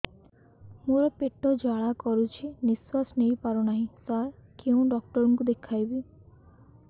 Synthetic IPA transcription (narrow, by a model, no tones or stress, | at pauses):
moɾɔpeʈɔd͡ʒaɭakɔɾut͡ʃʰiniswasnejpaɾɔnaɦĩt̪aɾkeũɖɔk̚ʈɔɾɔŋkud̪ekʰajbi